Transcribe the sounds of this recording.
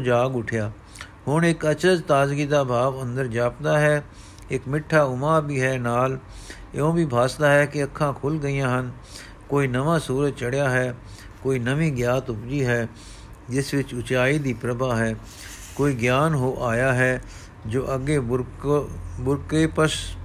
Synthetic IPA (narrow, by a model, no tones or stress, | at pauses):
d͡ʒaːɡʊʈʰjaː | hʊneːkət͡ʃəd͡ʒt̪aːd͡ʒɡid̪aːbʱaːʋə̃nd̪əɾd͡ʒaːpd̪aːɦɛː | ɪːkmɪʈʰːaːʊmaːbʱiːɦɛːnaːl | ɪ̰õːbʱiːbʱaːst̪aːɦɛːkeɐkʰːãːkʰʊlɡəijãːɦən | koːinɐʋãːsuːɾəd͡ʒ̚t͡ʃəɽjaːɦɛː | koːinəʋĩɡjaːt̪ʊpd͡ʒiɦɛː | d͡ʒɪsʋɪt͡ʃʊt͡ʃaːid̪iːpɾəbʱaːɦɛː | koːiɡjaːnɦoːʔaːjaːɦɛː | d͡ʒoːʔɐɡebʊɾ | bʊɾkepəs